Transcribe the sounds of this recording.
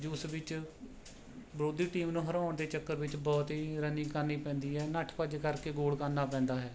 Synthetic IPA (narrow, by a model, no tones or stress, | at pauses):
d͡ʒʊːsʋɪt͡ʃ | bɾoːd̪iːʈiːmnũːɦəɾaːɳd̪eːt͡ʃəkːəɾʋɪt͡ʃbɔːt̪ɦiːɾənĩːkənːiːpɛ̃ːnd̪iːɦɛːnəʈʰpəd͡ʒkəɾkeːɡoːlkəɾnaːpɛ̃ːnd̪aːɦɛː